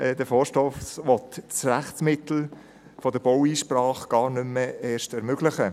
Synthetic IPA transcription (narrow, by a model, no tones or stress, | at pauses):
ɛd̥əfoːʃtɔfsʋɔtt͡sræχtt͡smɪt̪l̩ | fɔd̪əb̥owiːʃprɑːχɡ̥ɑːɾnʏməeːʃtɛɾmøɡ̥lɪχə